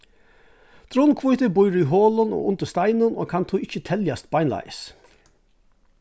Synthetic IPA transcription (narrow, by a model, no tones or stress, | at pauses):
t̪ʰɾʊnkʰvʊjt̪ɪbʊjɾʏɦoːlʊno̰ːʔʊnt̪əst̪aɪnʊno̰ːkʰant̪ʰuɪçət̪ʰɛljast̪̚baɪnla̰jə̰s